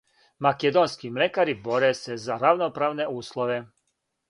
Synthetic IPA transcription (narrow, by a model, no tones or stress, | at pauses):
makɛd̪onskimlɛkaɾiboɾɛsɛzaɾaʋnopɾaːʋnɛuːslˠɔʋɛ